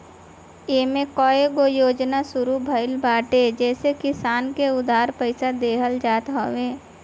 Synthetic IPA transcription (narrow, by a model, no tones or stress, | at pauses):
jeːmẽkɔːeɡojoːd͡ʒnasʊɾubʱəɪlbʱaːʈed͡ʒɛːsekɪsaːnkeʊd̪aːɾpəɪsad̪eːɦəld͡ʒaːt̪ɦoːwẽː